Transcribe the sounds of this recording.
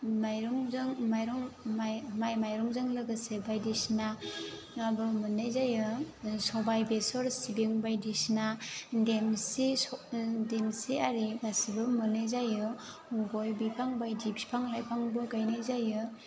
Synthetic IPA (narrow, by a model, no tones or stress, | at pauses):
majɾɔŋzaŋmajɾɔŋamajmajɾɔŋzaŋlɯɡasebajdisna | abɯmɯnajzajɯsɔbajbesɔɾsibeŋbajdisnademsisdemsiaɾibasibɯmɯnajzajɯ | ɡojbipʰaŋbajdibi̥pʰaŋlajpʰaŋbɯɡajnajzajɯ